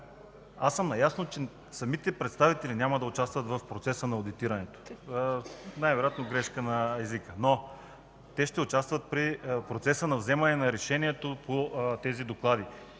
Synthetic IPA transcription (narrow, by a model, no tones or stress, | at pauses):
asəmnɐjasnot͡ʃɛ | sɐmit̪ɛpɾɛt̪st̪avit̪ɛlinʲamɐd̪ɐʊt͡ʃast̪vət̪vɐfpɾot̪sɛsənɐod̪it̪iɾɐnɛt̪o̥ | najvɛɾojat̪noɡɾɛʃkənɐɛzikəno | t̪ɛʃt̪ɛʊt͡ʃast̪vət̪̚pɾipɾot̪sɛsənɐvzɛmɐnɛnɐɾɛʃɛniɛt̪opot̪ɛzid̪oklˠad̪i